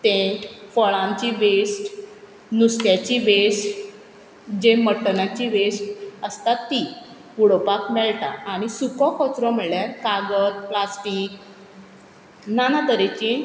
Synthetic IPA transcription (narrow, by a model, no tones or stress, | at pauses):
t̪ẽfəɭãɲt͡ɕiʋesʈ | nusk̪jat͡ɕiʋesʈ | d͡ʑeməʈːənãt͡ɕiʋesʈəst̪at̪ːi | uɽopakmɛɭʈaaɽ̃isukɔkɔt͡sɾɔm̤əɭjaɾkaɡəɾplasʈiːk | nanat̪əɾet͡ɕi